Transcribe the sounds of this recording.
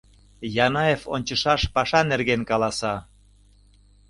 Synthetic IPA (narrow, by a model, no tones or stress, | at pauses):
jɑnɑefo̰nʲt͡ɕəʃɑʃpɑʃɑnerɣenkɑlɑsɑ